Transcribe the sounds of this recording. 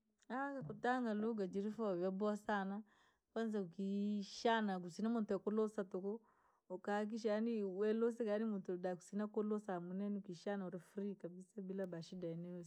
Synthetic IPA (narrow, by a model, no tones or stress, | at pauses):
akakutaŋɡaluɡad͡ʒiɾifavabɔasana | kwanzaukiʃanak̬usinamuntuakɔlɔsatokɔː | kak̬iʃ̬ajaniwɛlos̬ɛkaanimuntudaku̥sinakolɔsamunɛniukiʃanauɾɛfɾikabisabilabaʃidaɛnɛos